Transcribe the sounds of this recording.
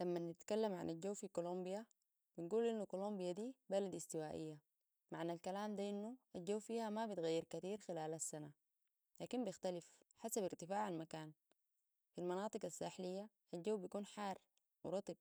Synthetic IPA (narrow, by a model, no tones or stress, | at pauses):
lamːanːit̪kalːamʕa̰nad͡ʒawfikolombija | binɡuːlʔinːukolombijad̪iːbalad̪ist̪iwaːʔḭjːa | maʕnalkalaːmd̪aʔinːuald͡ʒawːfiːhamabit̪ɣajːiɾkat̪iːɾxilaːlasːana | laːkimbɪxt̪alifħasabiɾt̪ifaːʕalmakaːn | filmɑnɑːt̪ˤɨɡasːaːħlijːa | ald͡ʒawːbijakuːnħaːr | wiɾˤɑt̪ˤɨb̚